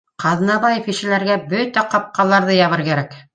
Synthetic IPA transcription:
qɑðnɑβɑjefiʃɘ̆læɾɡæbɵt̪æqɑp̚qɑlˠɑɾðɤjɑβɤɾkæɾæk

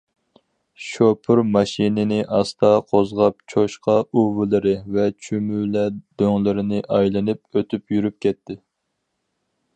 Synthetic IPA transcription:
ʃopʰʊɾmɑʃinɪnɪʔɑst̪ʰɑqʰozʁɑp̚t͡ʃʰoʃqɑuvɨlˠɨɾɪvɛt͡ʃʰymylɛd̪̥øŋlɪɾɪnɪʔɑjlˠɨnɨp̚øt̪ʰypjyɾyp̚kʲʰɛt̪ʰːɪ

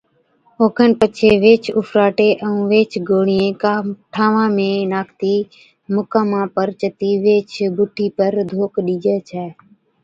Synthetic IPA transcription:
oːkʰənpət͡ʃʰeːʋeːt͡ʃʰʊfɾaːʈeːʔəũːʋeːt͡ʃɡʱoːɽɪjẽːkːʈʰaːʋãːmẽːnaːkʰt̪iː | mʊkãːmãːpəɾt͡ʃət̪iːʋeːt͡ʃʰbʊʈʰiːpəɾd̪ʱoːkɗiːd͡ʒɛːt͡ʃʰɛː

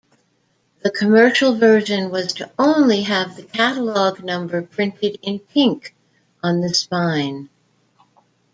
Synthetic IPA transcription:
ðɨkʰɨmɜ˞ʃl̩ˠvɜ˞ʒɨ̃nwʌz̥tʰɨõʊ̃nliɨvðɨkʰæɾəlɔɡ̚nʌ̃mbə˞pʰɹ̥ɪ̃ntɨɾɪ̃npʰɪ̃ŋk | ʔə̃nðɨspãɪ̃n

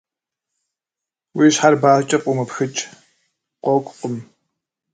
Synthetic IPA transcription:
wiːɕħarbaːt͡ʃʼɐpʼʊmɐpxɨt͡ʃʼ | qʷɔkʷʼqʷʼʊm

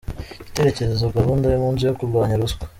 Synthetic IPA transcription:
ite̞ɾe̞ce̞ɾezoɡaβundajomuːnzujokuɾɡwaːɲaɾuskwḁ

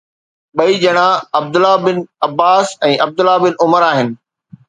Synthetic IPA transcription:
ɓɐid͡ʑɐɽ̃aɐb̚d̪ʊlabɪnɐbaːsɛ̃ːʔɐb̚d̪ʊlabɪnʊməɾaːɦɪnɪ̆

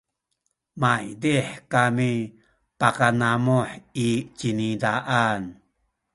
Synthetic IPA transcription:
majdiħkami | pakanamoħit͡ʃinidaʔan

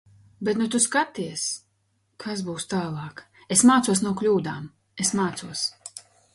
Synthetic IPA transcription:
bet̪nut̪uskat̪iɛs | kʰasbuːst̪aːlˠɑːk | esmaːt̪suɔsnuɔklʲuːd̪aːm | esmaːt̪suɔs

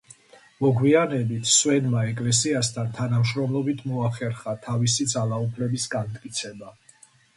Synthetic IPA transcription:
mɔɡwianɛbit̪ʰswɛnmaɛkʼlɛs̬iast̪ʰant̪ʰanamʃɾɔmlˠɔbit̪ʰmɔaχɛɾχat̪ʰavisid̪zalˠaupʰlɛbisɡant̪ʼkʼit̪sʰɛba

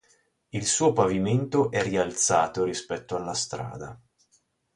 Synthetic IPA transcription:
ilsuːopaviment̪oʔɛrialt̪sa̰ːt̪oɾispɛt̪ːoalːast̪ɾa̰ːd̪a̰

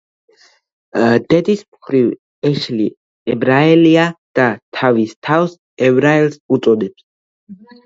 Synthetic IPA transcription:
d̪̥ɛd̪ismχɾiv | ɛʃli | ɛbɾaɛliad̪̥at̪ʰavist̪ʰafs | ɛbɾaɛlsut̪sʼɔd̪ɛps

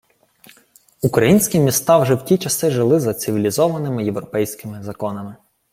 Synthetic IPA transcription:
ukɾɐjinʲsʲkʲimʲist̪ɑwʒɛwtʲit͡ʃɐsɪʒɪlˠɪzɐt̪sʲɪʋʲilʲizɔʋɐnɪmɪjewɾɔpɛjsʲkɪmɪzɐkɔnɐmɪ

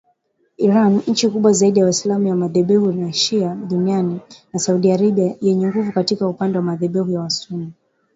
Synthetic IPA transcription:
iɾanɲ̩t͡ʃikuɓwazaiɗijawaslamujamaðɛɓɛhunaʃiaɗunianinasauɗiaɾaɓiajɛɲɛŋɡuvukatikaupandɛwamaðɛɓɛhujawasuni

